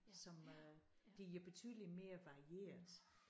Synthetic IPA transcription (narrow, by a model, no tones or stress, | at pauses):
sɒ̽m | d̥eɐb̥e̝t͡sʰyðˠəlime̝ːɐʋɑ̈ʁie̝̰ːɐðˠ